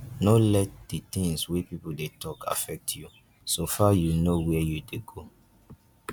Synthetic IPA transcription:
nolɛt̚d̥itĩŋswipipodetʰɔkʰa̰fɛk̚tʰju | sofajunowɛjudeɡo

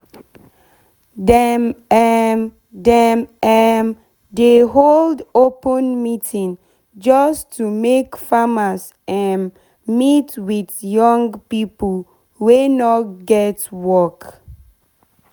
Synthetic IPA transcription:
dɛmɛm | dɛmɛm | deɦoldopə̃nmitʰĩŋ | d͡ʒɔstʰumekfamas | ɛ̃n | mitwiθjɔ̃ŋɡpipəl | wenɔt̚ɡɛtwɔk

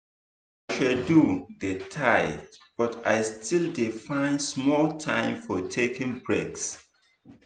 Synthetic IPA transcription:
aʃalduðətʰaɪb̥ɔta̰ɪstʰildifãɪ̃nsmɔltʰãɪ̃mfɔtʰekĩŋbɹeks

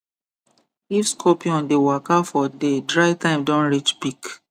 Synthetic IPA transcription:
ifskʰɔpiɔ̃ndewakafɔdedɹaɪtãɪ̃mdɔ̃nɹit͡ʃbik

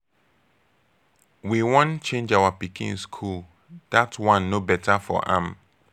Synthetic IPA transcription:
wiwɔ̃nt͡ʃẽnd͡ʒawapikʰḭ̃nskʰul | d̥atwãnːobɛtʰafɔ̰ʔã̰m

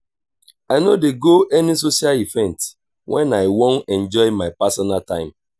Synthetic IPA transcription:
aɪnodeɡoʔɛnis̬oʃialivɛ̃nt | wʔɛ̃naɪwõnɛ̃nd͡ʒɔɪmaɪpasɔnaltã̰ɪ̃m

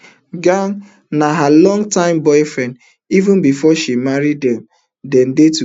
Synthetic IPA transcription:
ɡaŋ | naɦalɔ̃ŋɡtãɪ̃mbɔɪfɹɛ̃nd | ivʊ̃nbifɔʃimaɾidɛm | dɛ̃ndetu

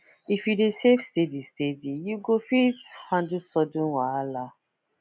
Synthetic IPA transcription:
ifjudesevstedistedijuɡofithãndusɔdũnwaala

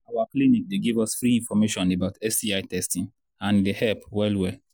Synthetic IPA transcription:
awaklinik̚deɡivɔsfɾiĩnfɔmeʃɔ̃nebaʊtɛsiaɪtɛstĩn | ãndehɛlpwɛlwɛ

